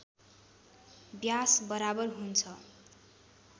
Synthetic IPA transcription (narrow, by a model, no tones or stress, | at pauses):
bjasbʌɾabʌrɦunt͡sʰʌ